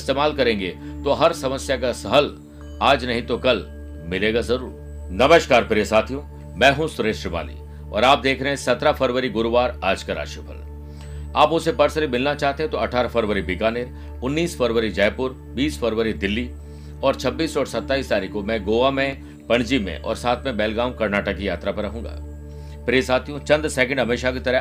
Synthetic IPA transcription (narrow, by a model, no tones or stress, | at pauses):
ɪst̪eːmaːlkɐɾẽːŋɡet̪oɦɐɾsɐməsjak̬asɐɦəl | aːd͡ʒnɐɦĩt̪okɐl | mɪleːɡazɐɾṵːɾ | nɐməʃkaːɾpɪɾesaːt̪ʰijũ | mɛ̃ːɦũsʊɾeːʃɾəma̰ːnḭ | ɔ̰ːɾaːp̚d̪eːkʰɾɐɦẽsɐt̪ɾafɐɾʋəɾiɡʊɾʋaːɾaːd͡ʒkɐɾa̰ːʃʊpʰə̰l | aːpʊsepɐɾsəɾimɪlnat͡ʃaːɦt̪eɦẽt̪oɐʈʰaːɾafɐɾʋəɾibikaːneɾ | ʊnːiːsfɐɾʋəɾid͡ʒɛːpʊɾ | biːsfɐɾʋəɾid̪ɪlːi | ɔːɾt͡ʃʰɐbːiːsɔːɾsɐt̪ːaːiːst̪aːɾikomɛ̃ːɡoːʋamẽ | pɐ̃ɳd͡ʒimḛ̃ʔɔ̰ːɾsaːt̪ʰmẽbɛːlɡaːmkɐɾnaːʈəkːijaːt̪ɾapɐɾɐɦũːɡa̰ː | pɾeːsaːt̪ʰijõt͡ʃɐ̃nd̪sɛːk̬ə̃ɳɖɦɐmeːʃakit̪ɐɾə